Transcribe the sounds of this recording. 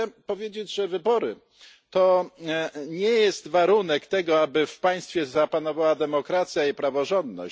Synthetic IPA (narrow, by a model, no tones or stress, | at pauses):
ɛpɔvʲjed͡ʑed͡ʑʐɛvɘbɔɾɘ | t̪ɔ | ɲɛjɛst̪vaɾunɛkt̪ɛɡɔabɘfpaj̃st̪fʲjɛzapanɔvawad̪ɛmɔkɾat̪sʲjaipɾavɔʐɔnd̪nɔ̰ɕ